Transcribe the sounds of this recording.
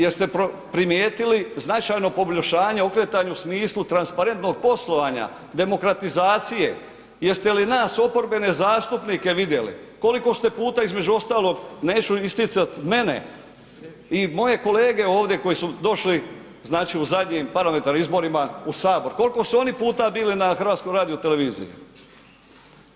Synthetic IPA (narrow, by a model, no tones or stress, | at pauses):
jeɾst̪e̞pɾo | pɾimjeːt̪iliznat͡ʃajno̞po̞blʲoʃaːɲeo̞kɾe̞t̪aːɲausmiːslut̪ɾanspaɾe̞nt̪no̞ɡ̚po̞slˠo̞ʋaːɲa̰ | d̪e̞mo̞kɾat̪izaːt̪sije̞̰ | jeɾst̪e̞linaːso̞po̞ɾbe̞ne̞zaːst̪upniːke̞ʋid̪je̞lḭko̞liko̞st̪e̞puːt̪aizme̞d͡ʑuo̞st̪aːlo̞ɡne̞ːt͡ɕuist̪it̪sat̪me̞ne̞̰ | imo̞je̞ko̞leːɡe̞o̞ːʋd̪je̞ko̞jisud̪o̞ʃli | znaːt͡ʃiuzad̪ɲiːmpaɾlame̞nt̪aɾnimizbo̞ɾimausaːbo̞ɾko̞liko̞suo̞nipuːt̪abiːlinaxr̩ʋaːt̪skomɾaːd̪ijot̪e̞le̞ʋiːzḭjṵ